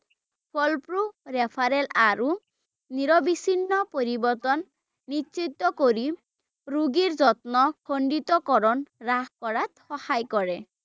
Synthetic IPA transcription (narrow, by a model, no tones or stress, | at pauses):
pʰɔlpɾuɾɛpʰaɾɛlaɾu | niɾɔbisinːɔpoɾibɔɾt̪ɔnː | itːt͡ʃit̪ːɔkoɾi | ɾuɡiɾzɔt̪nɔkʰoɳɖit̪ɔkɔɾɔnɾakkɔɹat̪xɔhajkɔɹɛ